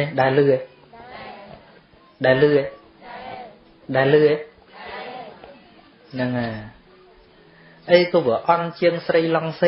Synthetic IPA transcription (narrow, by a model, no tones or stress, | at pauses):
eɗaɛlːɨːe | ɗaɛlːɨːe | ɗaɛlːɨːe | nɨŋaː | ʔəjkɔːʋɨəʔɑnt͡ɕiəŋsrəjlɑŋsə